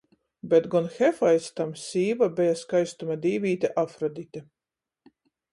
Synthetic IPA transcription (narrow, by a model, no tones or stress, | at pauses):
bʲɛt̪ɡɔnxɛfajst̪amsʲiːvabʲɛjaskajst̪umad̪ʲiːvʲiːt̪ʲeʔafɾɔd̪ʲit̪ʲe